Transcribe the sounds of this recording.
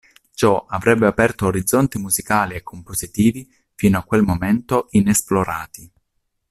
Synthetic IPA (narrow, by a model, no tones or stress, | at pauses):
t͡ʃɔʔavɾɛbːeapɛrt̪oːɾid̪zːont̪imuzikaːliekʰːompozit̪iːvi | fiːnoakːwelmoment̪oinesploɾa̰ːt̪i